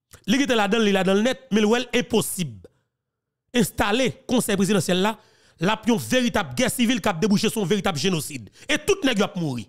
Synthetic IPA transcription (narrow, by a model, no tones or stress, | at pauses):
likit̪elad̪ɐ̃nlːilad̪ɐ̃lnɛt̪̚mẽlwɛlɛ̃posib | ɛ̃st̪alekɔ̃sɛjpʁezid̪ãsjɛlːa | lapjɔ̃veʁit̪abɡɛsivilkap̚d̪ebuʃesũjɔ̃veɣit̪ablʒenosid̪et̪ut̪̚nɛɡjowap̚muʁḭ